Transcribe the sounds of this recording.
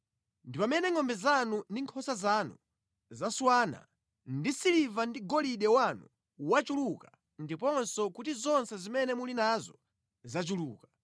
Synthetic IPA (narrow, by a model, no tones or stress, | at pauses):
ndipamɛnɛŋɔmbɛzanundiŋkʰɔsazanṵ | zaswaːna̰ | ndisilivandiɡɔliɗɛwanṵ | wat͡ʃuluka | ndipɔnsɔkutizɔnsɛzimɛnɛmulinazɔ | zat͡ʃuluːka